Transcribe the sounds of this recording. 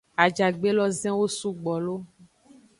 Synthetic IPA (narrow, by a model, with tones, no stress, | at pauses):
a˨d͡ʒa˨ɡ͡be˦lɔ˦zɛ̃˦wo˦su˦ɡ͡bɔ˨lo˦